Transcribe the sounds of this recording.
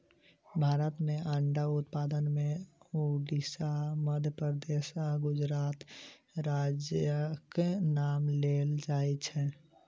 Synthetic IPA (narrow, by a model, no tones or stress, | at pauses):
bʱaːɾət̪meʔəɳɖaut̪pad̪ənmeoɖisaməd̪ʱjəpəɾd̪esaɡʊd͡ʒɾaːt̪ɾad͡ʒjəkenaːmleld͡ʒaɛt͡ʃʰɛ̃